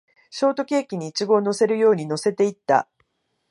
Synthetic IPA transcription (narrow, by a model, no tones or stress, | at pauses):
ɕo̞ːt̪o̞kʲe̞ːkʲiɲ̟iːt͡ɕiɡo̞ːno̞se̞ɾɯ̟jo̞ːɲ̟ino̞se̞t̪e̞it̪ːa̰